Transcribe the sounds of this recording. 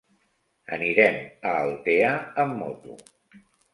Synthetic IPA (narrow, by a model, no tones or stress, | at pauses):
ə̰niɾɛməːlˠt̪eaəmːot̪ṵ